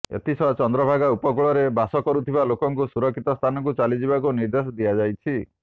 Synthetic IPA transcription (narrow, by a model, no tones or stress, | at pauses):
ḛt̪isɔt͡ʃɔnd̪ɾɔbʱaɡaupɔkuɭɔɾebasɔkɔɾut̪ʰibalokɔŋkusuɾɔkʰːit̪ɔst̪ʰanɔkut͡ʃalid͡ʒibakuniɾd̪esɔd̪iad͡ʒajt͡ʃʰi